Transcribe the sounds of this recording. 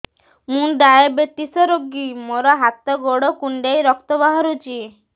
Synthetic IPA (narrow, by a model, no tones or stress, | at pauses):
mũɖaebet̪isɔɾoɡimoɾɔɦat̪ɔɡoɽɔkuɳɖejɾɔk̚t̪ɔbaɦɔɾut͡ʃʰi